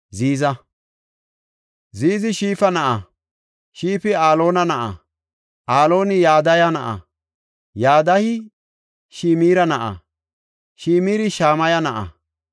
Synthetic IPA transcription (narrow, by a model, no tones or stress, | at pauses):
ziːzɐ | ziːzɪʃiːfɐnɐʔɐ | ʃiːfɪaːlo̞ːnɐnɐʔɐ̰ | ʔaːlo̞ːnɪjaːd̪ɐjɐnɐʔɐ̰ | jaːd̪ɐhɪ | ʃiːmiːɾɐnɐʔɐ̰ | ʃiːmiːɾɪʃaːmɐjɐnɐʔɐ̰